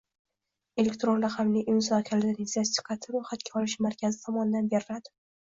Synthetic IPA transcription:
e̞lekʲt̪ɾonlahamnɪɪmʊzɒkʲʰalnɪzasɪ̥kʰat̪ʰɪɾʊjχat̪̚kʲaɒlɪʃmaɾkʲʰazɪt̪ʰɒmɒnɪd̪anbeɾɪlad̪ɪ

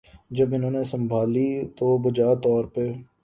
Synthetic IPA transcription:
d͡ʒɐbɪnõːnesə̃mbʱaːlit̪obʊd͡ʒaːt̪ɔːɾpe

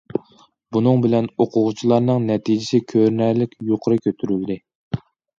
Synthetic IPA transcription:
b̥unɨŋbɪlɛnoqʰʊʁʊt͡ʃʰilˠɑɾnɨŋnɛt̪ʰid͡ʒɪsɪkʲʰøɾnɛlɪkʲjoqʰəɾɨkʲʰøt̪ʰyɾyld̪ɪ

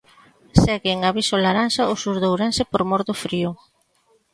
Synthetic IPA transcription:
sɛɣeŋaβisolaɾanʃaʊsuɾðowɾansepoɾmɔɾðʊfɾiʊ

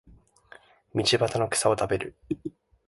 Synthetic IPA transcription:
mʲit͡ɕibat̪ano̞kɯ̥sao̞t̪abe̞ɾɯ̟

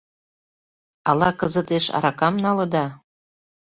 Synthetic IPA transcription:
ɑlɑkɤzə̆t̪eʃɑ̰ɾɑkɑmnɑlɤ̆d̪ɑ

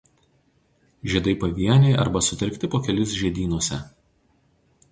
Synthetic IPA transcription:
ʒʲiɛd̪ɐɪpɐʋʲiɛnʲɛɪʔɐ̰ɾbɐsʊt̪ʲɛlʲkʲt̪ʲɪpoːkʲɛlʲɪsʒʲiɛd̪ʲiːnuɔsʲɛ̰

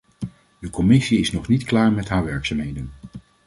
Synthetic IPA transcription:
dəkɔmɪsiɪsnɔχnitklaːɹmɛtɦaːɹʋɛɹksaːmɦejdən

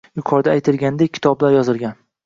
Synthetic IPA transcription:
jʊqʰɒɾd̪aːjt̪ʰɪlɡʲand̪ek̚ʲʰːɪ̥t̪ʰɒblaɾjɒzɪlɡʲan

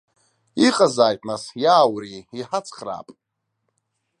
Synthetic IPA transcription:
iqʼazaːjtʼnasjaːwɾiiħat͡sʰʼχra̰ːpʼ

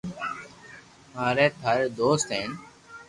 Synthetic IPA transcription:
maːɾẽːʈʰaːid̪oːst̪ẽːn

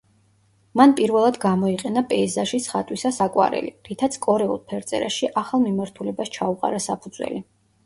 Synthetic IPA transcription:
manpʼiɾvɛlˠad̪ɡamɔiqʼɛnapʼɛizaʃisχat̪ʼwisasakʼwa̰ɾɛ̰lḭɾit̪ʰat̪sʰkʼɔɾɛulˠpʰɛɾt̪sʼɛ̰ɾaʃiʔaχalˠmimaɾt̪ʰulɛbast͡ʃʰauqʼa̰ɾasapʰud̪zwɛ̰li

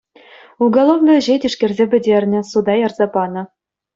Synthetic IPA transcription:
uɡɑlˠovnɤ̆ʑetʲiʂkʲerʲzʲebʲɘ̆dʲerʲnʲɘ̆sud̪ɑjɑrzɑpɑnɤ̆

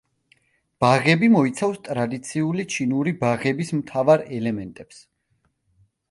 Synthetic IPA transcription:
b̥aʁɛbimɔit̪sʰafst̪ʼɾad̪it̪sʰiulit͡ʃʰinuɾibaʁɛbismt̪ʰavaɾɛlɛmɛnt̪ʼɛps

